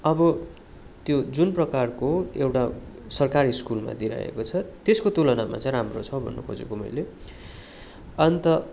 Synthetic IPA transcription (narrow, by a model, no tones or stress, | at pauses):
ʌbʌ | t̪jod͡zunprʌkarkoewʈasʌrkaɾiskulma̰d̪iɾa̰ḛkot͡sʰʌt̪eskot̪ulʌnama̰t͡sʌ̃j̃ramrot͡sʰʌbʱʌ̰nːo̰kʰo̰d͡zḛkomʌ̰jle | ʌnt̪ʌ